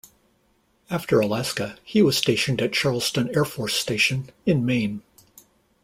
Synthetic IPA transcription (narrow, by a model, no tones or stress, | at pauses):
æftʰə˞əlæskɨhiwʌz̥steɪʃɨ̃n̩dɨt̚t͡ʃʰɑɹlˠstɨ̃nɛɹfɔɹsteɪʃɨ̃nɨ̃nmẽɪ̃n